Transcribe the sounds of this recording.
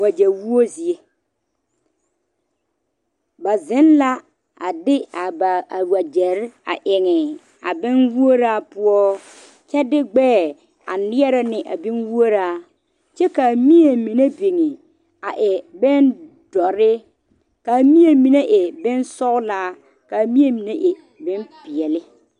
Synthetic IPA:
wa˨d͡ʒɛ˨ɾwu˦o˦zi˨e˦ | ba˨zɪ˦nla˦ | a̰˨dɪ˦a˨ba˨a˨wa˨d͡ʒɛ˨ɾa̰˨ʔɪ˨ŋɪ˨ | a˨bɪ˦nwu˦o˦ɾa˦pʊ˦ɔ˦ | t͡ʃɛ˦dɪ˦ɡ͡bɛː˦˨ | a˨nɪ˦ɛ˦ɾɪ˦nɪ˨ʔa˨bɪ˦nwu˦o˦ɾaː˦ | t͡ʃɛ˦ka˨mi˦e˨mi˨ne˦be˨ŋe˨ | a˨ʔɪ˨bɪ˦n | dɔ˨ɾɪ˦ | ka˨mi˦e˨mi˨ne˦ʔɪ˨bɪ˦nsɔ˦ɣlaː˦ | ka˨mi˦e˦˨mi˨ne˦ʔɪ˨ | bɪ˦npɪ˨ɛ˨lɪ˦

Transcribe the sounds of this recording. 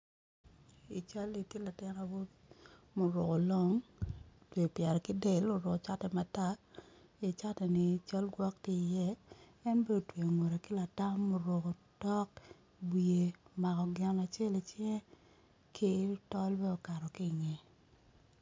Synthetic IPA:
i˨t͡ʃa˦li˨ki˦la˨tɪ˦na˨wo˦ | mo˨ɾʊ˨ko˨lɔ˦ŋ | twe˨pjɛ˨ɾɛ˨kɪ˦de˦˨lo˨ɾʊ˨ko˨t͡ʃa˦tɛ˨ma˨ta˦ | i˨t͡ʃa˦tɛ˨nɪ˨t͡ʃa˦lɡwɔ˦k̚ti˦˨jɛ˦ | ɛ˦nbe˦o˨twe˨o˨ŋo˨ɾe˨kɪ˦la˨ta˦mo˨ɾo˨ko˨tɔ˦k̚ | bje˨ma˨kɔ˨ɡɪ˦na˨t͡ʃe˦li˨t͡ʃjɛ˦ | kʰi˦tɔ˦lbɛ˦ɔ˨ka˨ɾɔ˨ki˦˨ŋɛ˨

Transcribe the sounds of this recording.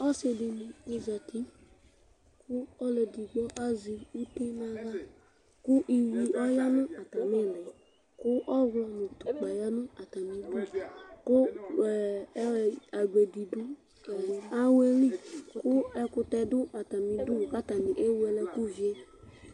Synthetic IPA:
ɔ˦se˧di˧nĩ˧e˧za˨tʰi˦ | ku˦ɔ˦lɛ˨di˨ɡ͡bɔ˦ʔa˦zi˧u˦tĩ˦mã˧ɾa˦ | ku˦ʔi˧wi˧ʔɔ˦ja˦nũ˦ʔa˨ta˨mɛ˦˨lɛ˨ | kʊ˦ʔɔ˦ɡɔ˧nĩ˨tu˨k͡pa˨ja˦nũ˦a˨ta˨mĩ˧du˦ku˦˨˦ | a˨ɡ͡be˨di˨du˦˨ | a˦we˧ɾi˦kkʊ˦ɛ˧kʊ˧tɛ˧dʊ˦ʔa˨ta˨mĩ˧du˦˨ka˦ta˨nĩ˨ʔe˦wɛ˧lɛ˧ku˦vi˨e˦

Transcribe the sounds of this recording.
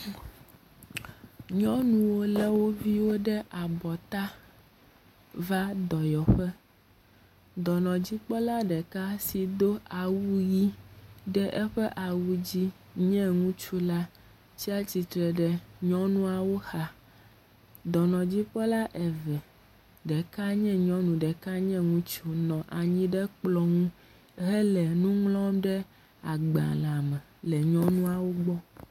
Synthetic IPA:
ɲɔ̃˦nũ˨wo˦lɛ˦wo˦vi˦wo˦ɖɛ˦ʔa˨bɔ˨t̪a˦ | va˦d̪ɔ˨jɔ˨ɸɛ˦ | d̪ɔ˨nɔ̃˨d͡ʑi˦k͡pɔ˦la˦ɖɛ˨ka˦si˨d̪o˦a˨wu˦ji˦ɖɛ˦ʔɛ˦ɸɛ˦ʔa˨wu˦d͡ʑi˦ | ɲɛ̃˦ŋũ˦t͡ʃu˦la˦ | t͡ɕi˦a˦t͡ɕi˨t̪ɾɛ˨ɖɛ˨ɲɔ̃˦nũ˦a˨wo˦xa˦ | d̪ɔ˨nɔ̃˨d͡ʑi˦ɸɛ˦la˦ʔɛ˨vɛ˨ | ɖɛ˨ka˦ɲɛ̃˦ɲɔ̃˦nũ˨ɖɛ˨ka˦ɲɛ̃˦ŋũ˦t͡ʃu˦nɔ̃˨ʔa˨ɲĩ˦ɖɛ˦k͡plɔ˨ŋũ˦ | ɦɛ˦lɛ˨nũ˦ŋlɔ̃˦mɖɛ˦ | a˨ɡ͡bã̰˨lã˨mɛ̃˨lɛ˨ɲɔ̃˦nũ˦a˨wo˦ɡ͡bɔ˦

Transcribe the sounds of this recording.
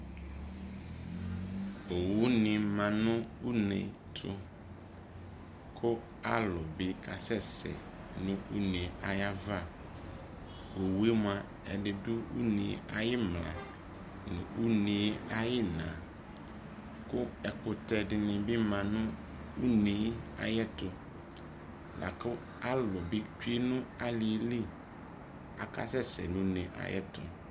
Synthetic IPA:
o˨wʊ˦nɪ̃˨mã˨nʊ̃˦u˦nḛ̃˨ | tʰʊ˦ | kʰʊ˦ | a˦lʊ˨bɪ˦kʰa˨sɛ˦sɛ̰˨ | nʊ̃˦u˦nẽ˨a˨ja˦va˦˨ | wo˨wu˦e˦m˦ã˨ | ɛ̰˨dɪ˨dʊ˦u˦nĩ˨˦a˨jɪ˦mlã̰˨ | nʊ̰̃˨u˦nẽ˨˦a˦jɪ˦nã˨ | kʊ˦ɛ˨kʊ˨tɛ˨dɪ˨nɪ̃˨bɪ˦mã˨nʊ̃˦ | u˦nẽ˨˦a̰˨jɛ˦tʊ˨ | lʔa̰˨kʊ˦ | a˦lʊ˨bɪ˦t͡ʃᶣi˦e˦nʊ̃˦a˦lɪ˨˦li˦ | a̰˨ka̰˦sɛ˦sɛ̰˨nʊ̃˦nẽ˨ʔa̰˨jɛ̰˦tʊ̰˨

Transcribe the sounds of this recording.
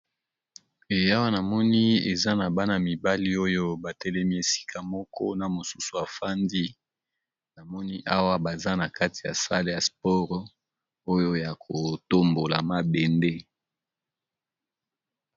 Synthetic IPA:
e˨ja˦wa˦na˨mɔ˦ni˦ḛ˨za˦na˨ba˦na˨mi˨ba˦li˦o˦jo˦ba˨tɛ˦lɛ˦mi˦e˨si̥˦kʰa˦mɔ˦kɔ̰˦na˨mo˨su˦su˨a˨fa˦ndi˦ | na˨mɔ˦ni˦ʔa˦wa˦ba˨za˦na˨ka˦ti̥˨ja̰˨sa˦le˦ja˨spɔ˦ʁ | o˦jo˦ja˨kʰo˨to˦mbo˨la˨ma˦be˨nde˦

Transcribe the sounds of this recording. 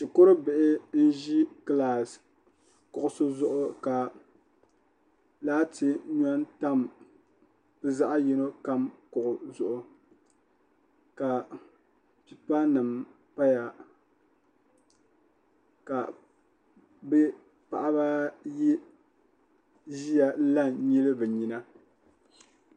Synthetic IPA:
t͡ʃɪ˨ko˦ɾɨ˦bɪ˨ʔɪ˦n̩˦ʒi˦kla˨s | kʊ˨ʔʊ˨so˦zʊ˦ʔʊ˦ka˨ | laː˦tɪ˦ɲa˦nta˦˨m | bɨ˦za˦ʔa˦ji˦no˦ka˦mkʊ˨ʔʊ˨zʊ˨ʔʊ˦ | ka˨ | pi˦pa˦nɨ˨m | pa˦ja˨ | ka˨ | bɛ˦ | pa˨ʔa˦ba˦ji˦ | ʒi˦ja˨˦la˦ɲi˦lɨ˦bɨ˨ɲi˦na˦

